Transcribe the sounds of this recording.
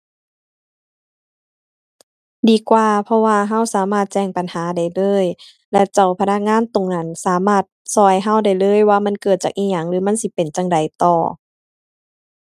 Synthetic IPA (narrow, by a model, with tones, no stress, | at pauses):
diː˨˦kwaː˧pʰɔ˧waː˧ɦa˧˥˨wsaː˨˦maː˧˩t̪̚t͡ɕɛː˧˩ŋpa˨nhaː˨˦da˨˩jlɤː˧˥˨j | lɛ˧˩t͡ɕa˧˩wpʰa˧na˧˥˩k̚ŋaː˧˥˨nt̪o˨˩ŋna˧˥˨nsaː˨˦maː˧˩t̪̚sɔː˧˩jɦa˧˩˨wda˧˨˩jlɤː˧˥˨jwaː˧˨ma˧˥˨nkɤː˨˩t̪̚t͡ɕaː˨k̚ʔiː˧˥ɲaː˧˩ŋlɯː˨˦ma˧˥˨nsi˧˦pe˨˩nt͡ɕa˧˨ŋda˨˩jt̪ɔː˨˩